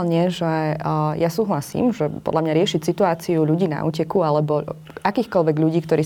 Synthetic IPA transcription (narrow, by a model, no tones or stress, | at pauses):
lɲɪɛʒɛjasuːɦlasḭːmʒɛpɔ̰d̪lamɲaɾɪɛʃicsit̪uaːt͡siuʎuɟiːna̰ʔṵːcɛkualɛbɔ | akiːxkɔlʋɛɡʎuɟiːkt̪ɔɾʔiː